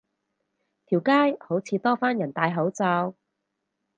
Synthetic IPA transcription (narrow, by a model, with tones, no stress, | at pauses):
t̪ʰiː˨˩wkaː˥jho˨˥wt͡sʰiː˧t̪ɔː˥faː˥njɐ˨˩nt̪aː˨˧jɦɐ˨˥wt͡sɐ˧w